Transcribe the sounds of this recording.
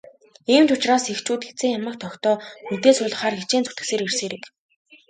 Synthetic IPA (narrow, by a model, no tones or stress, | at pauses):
iːmt̪ʰʊt͡ɕraːsext͡ɕuːt̪xet͡seːŋjamăːk̚t̪ʰɔxt̪ɔːunt̪eːsʊːɮə̆χaːrɡet͡ɕeːnt͡sut̪ɘ̥̆kseːɾerseːɾɘ̆ːk